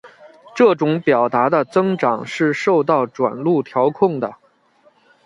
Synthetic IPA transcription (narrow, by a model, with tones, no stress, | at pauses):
ʈ͡ʂɤ˥˩ʈ͡ʂʊ˨˧˥ŋpjɑ˨˩ʊt̪a˧˥d̪ə˧t͡sɤ˥ŋʈ͡ʂɑ˨˩ŋʂɻ̩˥˧ʂo˥˧ʊt̪̬ɑ˥˩ʊʈ͡ʂwa̰˨˩nlu˥˩t̪ʰjɑ˧˥ʊkʰʊ˥˩ŋd̪ə̰˩